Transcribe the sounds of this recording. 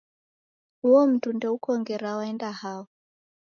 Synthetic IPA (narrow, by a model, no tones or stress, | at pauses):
huɔm̩tundɛukɔŋɡɛɾawaɛndahaɔ